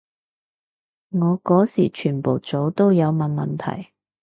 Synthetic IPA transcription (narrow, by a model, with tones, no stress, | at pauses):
ŋɔː˨˧kɔː˨˥siː˨˩t͡ʃʰyː˨˩npo˨˩wt͡so˨˥wt̪o˥wjɐ˨˧wmɐ˨nmɐ˨nt̪ʰɐ̰˨˩j